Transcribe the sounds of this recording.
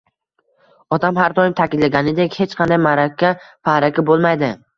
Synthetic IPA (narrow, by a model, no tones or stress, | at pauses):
ɒtd̪amɦaɾd̪ɒjɪmt̪ʰakʲɪd̪laɡʲanɪd̪ekʲhet͡ʃqʰɑnd̪ajmaɾakʲʰːafahɾakʲʰabolˠmajd̪ɪ